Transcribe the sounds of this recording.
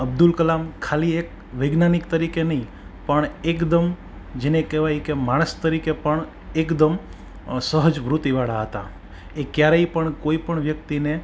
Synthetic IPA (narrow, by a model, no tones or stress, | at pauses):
əb̚d̪ulkəlamkʰaliek | ʋəjɡnanikt̪əɾikenəɦĩ | pəɳekd̪əm | d͡ʒenekɛʋajkemaɽ̃əst̪əɾikepəɳ | ekd̪əm | səɦəd͡ʒʋɾut̪iʋaɭaɦət̪a̰ | ekjaɾeipəɳkoipəɳʋjəkt̪ine